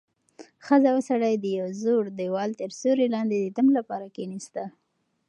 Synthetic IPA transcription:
xəzaəsaɽajd̪əjawzoɽd̪əwɑlt̪əɾsoɾelɑnd̪ed̪ət̪amlapɑɾakenist̪a

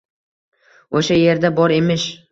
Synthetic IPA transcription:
oʃaje̞ɾd̪abɒɾe̞mɪʃ

